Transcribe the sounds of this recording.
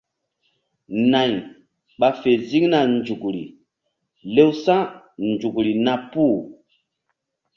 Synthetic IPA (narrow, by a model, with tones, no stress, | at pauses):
nã˨j | ɓa˨fe˨zi˦ŋna˨nd͡ʒu˨kɾḭ˨ | le˦wsã˦ | nd͡ʒu˨kɾi˨na˨pu˦